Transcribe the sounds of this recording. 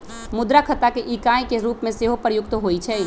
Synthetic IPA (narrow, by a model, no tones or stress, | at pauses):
mʊd̪ɾakʰət̪akeʔiːkaːjkeɾuːpmẽseːɦopɾəjʊkt̪ɦoːit͡ʃʰɛː